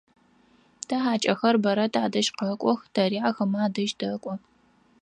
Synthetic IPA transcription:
tʰɐħaːt͡ʃʼɐxɐrbɐɾɐtʰaːdɐʃqɐkʷʼɔxtʰɐɾiːʕaxɐmaːdɐʒdɐkʷʼɔ

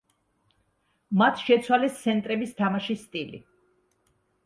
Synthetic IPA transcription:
mat̪ʰʃɛt̪sʰwalɛst̪sʰɛnt̪ʼɾɛbist̪ʰamaʃist̪ʼilḭ

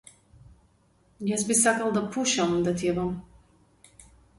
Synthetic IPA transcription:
jasbisakalˠd̪apʰuʃamd̪at̪ʰʲiɛvam

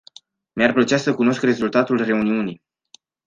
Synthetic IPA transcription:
marplət͡ʃasəkuno̞skre̞zult̪at̪ulre̞uniuni

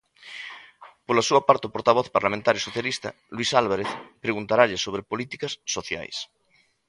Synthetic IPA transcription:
polasuapaɾt̪eopoɾt̪aβ̞ɔθpaɾlamẽnt̪aɾjosoθjalist̪ɐ̰ | lwisalβaɾeθpɾeɣunt̪aɾaʎɪsoβɾepolit̪ikɐsːoθja̰js

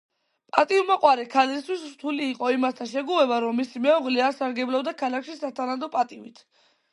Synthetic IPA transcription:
pʼat̪ʼiumaqʼwaɾɛkʰalist̪ʰwisɾt̪ʰuliːqʼɔimast̪ʰaʃɛɡuɛbaɾɔmːisimɛɔʁliaɾsaɾɡɛblabd̪akʰalakʰʃisat̪ʰanad̪ɔpʼat̪ʼivit̪ʰ

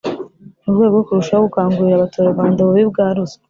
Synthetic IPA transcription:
uɾɡwe̞ːbɡo̞kuɾuʃaoɡukaːŋɡuɾiɾaβatoːɾoɡaːndaβuβib̚ɡaːɾuzḁ

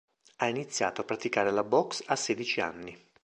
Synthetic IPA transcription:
ainit̪sːja̰ːt̪oapːɾat̪ikaːɾelabɔksasɛːd̪it͡ʃia̰nːi

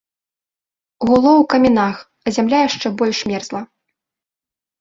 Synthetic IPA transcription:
ɣulˠɔwkɐmʲɛnax | ɐzʲamlʲajaʂt͡ʂɛbɔlʲʂmʲɛrzlˠɐ

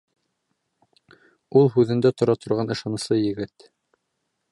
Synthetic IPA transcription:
ulˠɦʉðɘ̆nd̪æt̪ŏɾɑt̪ʰŏɾʁɑnɤ̆ʃɑnɤ̆sˠɤjɘ̆ɡɘt̪

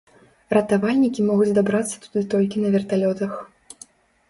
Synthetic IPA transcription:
rɐt̪avalʲnʲikʲimɔɣud͡zʲzd̪abɾat̪sːɐ̥t̪u̥d̪ɨt̪ɔlʲkʲinɐvʲɛrt̪alʲɔt̪ɐx

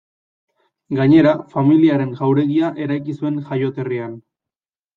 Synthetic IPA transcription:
ɡaɲe̞ɾafamiliaɾe̞ŋʝawɾe̞ɣiaʔe̞ɾajkisue̞ŋxajo̞t̪e̞rian

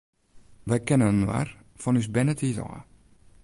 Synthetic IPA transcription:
ʋɛjkɛnənənwa̰r | fɔnysbɛnətitɔ̰ː

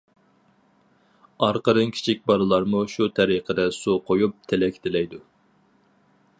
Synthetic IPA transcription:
ɑɾqəɾɨnkʲʰi̥t͡ʃʰik̚ʲbɑɾɨlˠɑɾmuʃut̪ʰɛɾiqʰəd̪ɛsuqʰojup̚t̪ʰɪlɛkʲʰt̪ʰɪlɛjd̪u

